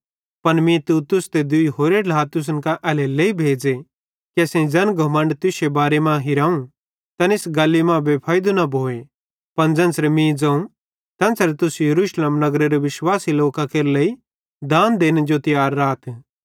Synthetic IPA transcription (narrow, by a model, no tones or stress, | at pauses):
pɐnmĩt̪uːt̪ʊst̪ed̪ʊiɦoːɾelaːt̪ʊs̬ənkaʔɛleleːibʱeːd͡ze | kesẽd͡zɐnɡʱɐmə̃ɳɖt̪ʊsebaːɾemãɦɪɾãːũ | t̪ɐnɪsɡaːlːimãbʱepʰaːɪd̪unɐbʱoːe | pɐnd͡zɐ̃nsɾemĩd͡zãũ | t̪ɐ̃nsɾet̪ʊsjɐɾuːʃleːmnɐɡɾeɾeʋɪʃwaːsiloːkakeːɾləi | d̪aːnd̪eːnd͡ʒot̪ɪjaːɾːaːt̪